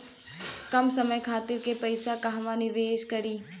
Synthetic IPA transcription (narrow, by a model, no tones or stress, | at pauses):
kɐmsɐməjkʰaːt̪ɪɾkepɐɪsakaɦʋanɪʋeːʃkɐɾiː